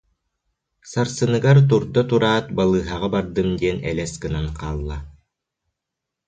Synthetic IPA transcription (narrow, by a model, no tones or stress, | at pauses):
saɾsɯnɯɡaɾt̪uɾd̪ɔt̪uɾaːt̪̚balˠɯːɦaʁabaɾd̪ɯmd̪iɛnɛ̰lɛskɯnanqaːlˠːa